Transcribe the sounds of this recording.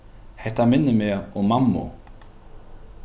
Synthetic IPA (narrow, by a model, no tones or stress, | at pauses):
hɛht̪amɪnːɪmɛɔɣmamːṵ